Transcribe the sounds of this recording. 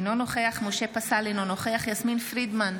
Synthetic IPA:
nonoχeaχmoʃe̞pasalinonoχeaχjasminfʁid̪man

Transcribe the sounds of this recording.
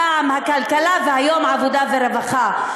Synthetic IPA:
aʕamhakalkalavehajo̞mʕavod̪aveɾevaχa

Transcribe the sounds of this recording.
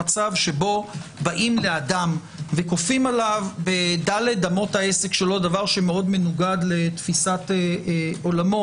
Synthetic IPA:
at͡savʃe̞bo̞baʔimle̞ad̪am | vekofimalavbe̞d̪alet̚d̪amo̞t̪haese̞kʃelo̞d̪avaʁʃemeo̞d̪menuɡad̪let̪fisat̪eo̞lamo

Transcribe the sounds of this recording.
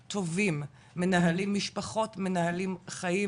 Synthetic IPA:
tʰo̞vimː | e̞naɦalimːiʃpaχo̞tme̞nahalimχaji

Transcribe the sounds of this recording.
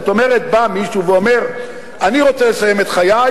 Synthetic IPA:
ot̪o̞me̞ʁe̞t̪̚bamiʃuveo̞me̞ʁ | aniʁo̞t͡sele̞saje̞met̪χaja

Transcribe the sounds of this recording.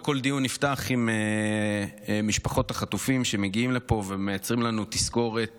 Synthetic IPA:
ko̞ld̪ijunːiftaχime | miʃpaχo̞t̪haχat̪ufimʃe̞me̞ɡiimlepo̞ve̞me̞jat͡sʁimlanut̪isko̞ʁe̞t̚

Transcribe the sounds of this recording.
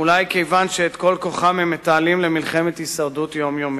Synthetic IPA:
ulajke̞jvanʃeːt̪ko̞lko̞χamhemːet̪aːlimlemilχemet̪hisaʁdut̪jo̞mjomi

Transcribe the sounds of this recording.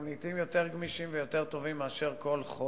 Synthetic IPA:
mlit̪imjo̞t̪e̞ʁɡmiʃimvejo̞t̪e̞ʁt̪o̞vimːeaʃe̞ʁko̞lχo

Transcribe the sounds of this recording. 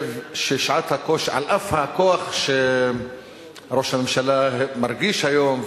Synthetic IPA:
vʃeʃʕat̪hakoʃʕa̰lʔafhakoaχʃe | ɾo̞ʃhamemʃalamaɾɡiʃhajom

